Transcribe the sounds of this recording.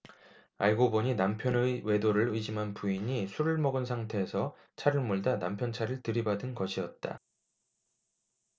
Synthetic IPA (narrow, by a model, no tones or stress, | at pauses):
aɭɡoboɲinampʰjʌnewe̞doɾɯɭɯiɕʰimɦanpuiɲisʰuɾɯɭmʌɡɯnsʰaŋtʰe̞ːsʰʌ | t͡ɕʰaɾɯɭmoɭdanampʰjʌnt͡ɕʰaɾɯɭtɯɾibadɯnɡʌɕʰiʌt̚t͈a̰